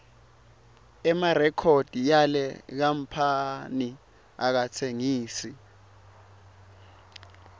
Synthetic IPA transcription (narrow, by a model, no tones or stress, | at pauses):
ɛmarɛkʰod̥ʱijalɛk̬am̩pʰani | ak̬atʰeŋiːsi